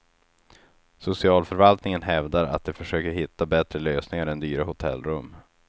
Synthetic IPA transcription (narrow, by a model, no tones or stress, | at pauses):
sʊsɪɑːlfœɾvalt̪nɪŋənɦɛvd̪aɾa̰t̪̚d̪ɛfœʂøːkəɾɦɪt̪ːabɛt̪ɾəløːsnɪŋaɾɛnd̪yːɾahʊt̪ʰɛ̰lːɾɵmː